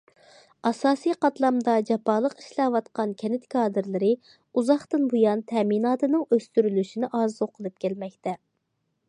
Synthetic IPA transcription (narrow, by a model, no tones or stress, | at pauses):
ɑsɑːsijqɑt̪lˠɑmd̪ɑd͡ʒɑpʰɑlˠəqi̥ʃlɛwɑt̪qɑnkʲʰɛnɪt̪kʰɑːd̪ɨɾlɪɾɨ | uzɑχt̪ɨnbujɑnt̪ʰɛminɑːt̪ɨnɨŋøst̪yɾylyʃinɪʔɑzoqʰəlˠɨp̚kʲʰɛlmɛkʲt̪ʰɛ